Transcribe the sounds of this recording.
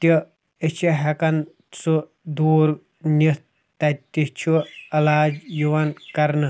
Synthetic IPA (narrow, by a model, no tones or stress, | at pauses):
t̪ʲi | et͡ʃʰiɦɐkɐn | t͡sʰu | d̪uːɾ | ni | t̪ɐt̪ʲit͡ʃʰuɐlaːd͡ʒjuʋɐnkɐɾnɨ